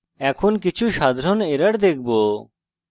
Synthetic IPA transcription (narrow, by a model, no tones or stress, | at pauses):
ɛkʰonkit͡ɕʰuʃad̪ʱɾoneɾaɾd̪ek̚ʰbo